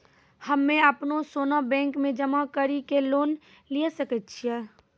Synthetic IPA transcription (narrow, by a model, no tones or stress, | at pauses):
həmːẽəpnosoːnabɛ̃ːŋkmẽd͡ʒəmakəɾikeloːn | liesəkət̪t͡ʃʰiɛː